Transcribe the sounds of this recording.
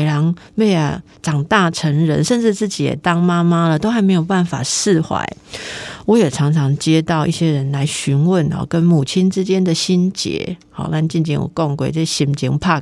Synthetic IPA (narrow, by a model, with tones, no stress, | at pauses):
ɑ˧˦˥ŋpe˥˩ɪa̰˨˩ | ʈ͡ʂɑ˨˩ŋt̪a˥˩ʈ͡ʂʰə˧˥ŋɻə̰˧˦nʂə˥˧nʈ͡ʂɻ̩˥˧t͡sɹ̩˥˩t͡ɕi˨˥jɛ̰˨˩t̪ɑ˦ŋma˦ma˦lə˨t̪o˥ʊxa˧˥ɪme˧˥ɪjo˨˩ʊpa˥˩nfa˨˩sɹ̩˥˨xwa̰˧˦ɪwɔ˨˦jɛ˨˩ʈ͡ʂʰɑ˧˥ŋʈ͡ʂʰɑ˧˥ŋt͡ɕjɛ˥˦t̪ɑ˥˧ʊʔḭ˥˩ɕjɛ˦ɻə˧˦nla˧˦ɪɕy˧˥nwə˥˨nɔ̰˨˩kə˦nmu˨˩t͡ɕʰi˥nʈ͡ʂɻ̩˦t͡ɕjɛ˥˦nd̪ə˨ɕi˥nt͡ɕjɛ̰˧˥˦hɔ̰˨˩na˥˧n˨t͡ɕi˥˧nt͡ɕḭ˥˩nwɔ̰˨˩ko˥˨ŋkwe˥˩ɪʈ͡ʂə˥˩˨ɕi˨˩nt͡ɕḭ˧ŋ˨pʰa˥˧˩